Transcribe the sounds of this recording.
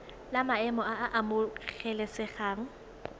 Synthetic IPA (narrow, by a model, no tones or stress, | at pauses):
lamaɛmɔaʔamʊɣɛlɛsɪχaːŋ̩